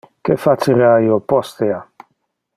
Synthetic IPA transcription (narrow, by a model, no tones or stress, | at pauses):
kefat͡ʃiɾajopɔst̪ea